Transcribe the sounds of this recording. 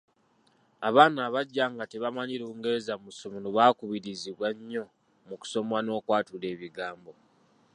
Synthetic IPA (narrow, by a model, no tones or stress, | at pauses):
aβaːnaːβaɟːaːŋɡate̞βamaɲiɾuːŋɡe̞ɾezamusomunoβaːkuβiɾiziβwaɲːo̞ | muku̥so̞mwano̞ːkwaːtule̞ːβiɡaːmbo̞